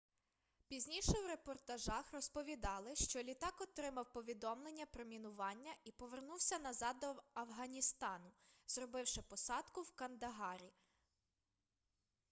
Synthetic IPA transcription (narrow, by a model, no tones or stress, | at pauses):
pʲizʲnʲiʃɛwɾepɔrt̪ɐʒɑxrɔspɔʋʲid̪ɑlˠɪʃt͡ʃɔlʲit̪ɑkɔt̪ɾɪmɐwpɔʋʲid̪ɔmlˠenʲːɐpɾɔmʲinʊʋɑnʲːɐʔipɔʋernuwsʲɐnɐzɑd̪ɔɐwɦɐnʲist̪ɑnʊz̥rɔbɪwʃɪpɔsɑd̪kʊwkɐnd̪ɐɦɑɾʲi